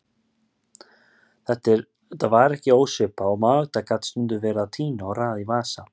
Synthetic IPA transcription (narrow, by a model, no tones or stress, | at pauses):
θɛht̪ɪɾ | t̪avaːɾɛhcɪoːwsʏpaɔmaɣt̪akat̪st̪ʏnt̪ʏvɛːɾaat̪ʰiːnaɔɣraːðivaːsa